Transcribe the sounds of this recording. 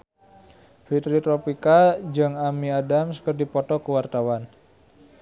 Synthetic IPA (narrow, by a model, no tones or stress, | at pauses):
fit̪ɾit̪ɾɔpikad͡ʒɨŋamiadamskərdipɔt̪ɔkəwart̪awan